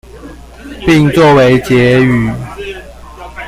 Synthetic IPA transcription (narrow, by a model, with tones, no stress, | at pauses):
pi˥˨ŋt͡swɔ˥˨we˨˦ɪt͡ɕjɛ˨˦y˨˩˦